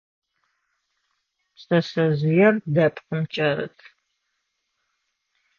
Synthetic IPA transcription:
sʼɐsɐzujɛrdɐpʰʼqəmt͡ʃʼɐɾɨ̰tʰ

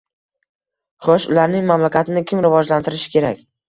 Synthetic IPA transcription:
χɒʃʊlaɾnɪŋmamlakʲat̪ʰɪnɪkʲʰɪmɾɪvɒd͡ʒlant̪ʰɪɾɪʃɪ̥kʲe̞ɾakʲ

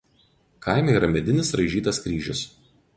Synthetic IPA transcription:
kʰɑɪmʲɛiːɾɐmʲɛd̪ʲɪnʲɪsɾɐɪʒʲiːt̪ɐskɾʲiːʒʲʊs

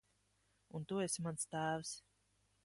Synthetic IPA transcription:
unt̪uesʲmanst̪æːvs

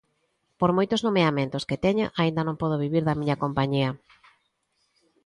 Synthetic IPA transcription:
poɾmojt̪oznomeamẽnt̪osket̪ɛɲaʔaĩnd̪ɐnõmpɔð̞oβiβiɾðɐmiɲɐkompaɲiɐ

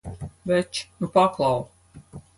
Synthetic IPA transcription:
vɛt͡ʃnupaklˠaw

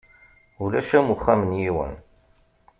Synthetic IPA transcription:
ulæʃæmuχːæmənjiwə̰n

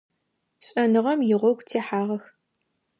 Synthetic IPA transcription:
ɕʼɐnɨʁɐmjɪʁʷɔɡʷtʰeːħaːʁɐx

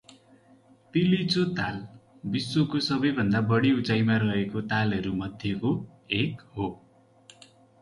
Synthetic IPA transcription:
t̪ilit͡sot̪al | bisːokosʌbʌjbʱʌnd̪abʌɽiut͡sajmaɾʌɦekot̪alɦʌɾumʌd̪ʱjʌko | ekɦo

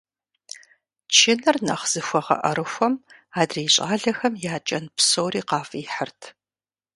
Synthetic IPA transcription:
t͡ʃʰɪnɨrnɐχz̥ɨxʷɔʁɐ̰ʔɐ̰ɾɨxʷɔm | aːdriːɕʼaːɮɐxɐmjaːt͡ʃʼɐnpsowriːqɑːfiːħərtʰ

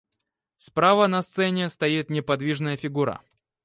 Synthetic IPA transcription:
spɾavənɐst̪sɛnʲɪst̪ɐit̪nʲɪpɐd̪vʲiʐnəjəfʲɪɡuɾə̰

